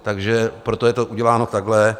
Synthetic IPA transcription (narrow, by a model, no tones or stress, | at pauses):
t̪aɡʒɛpɾot̪o̞jɛt̪oʔuɟɛlaːno̞t̪aɡlɛ